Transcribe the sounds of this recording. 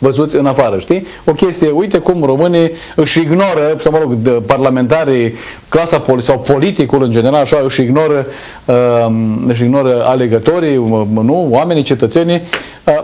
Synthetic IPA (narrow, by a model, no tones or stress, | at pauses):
vəzut̪sʲɨnafaɾəʃt̪i | o̞kʲe̞st̪ijeujt̪ekumro̞mɨnij | ɨʃiɡno̞ɾəsawməɾo̞ɡparlame̞nt̪aɾij | klasapolsawpo̞lit̪ikulɨnd͡ʒe̞ne̞ɾalaʃaɨʃiɡno̞ɾə | əɨʃ̬iɡno̞ɾəale̞ɡət̪o̞ɾinuwame̞nit͡ʃe̞t̪ət̪se̞ni | ə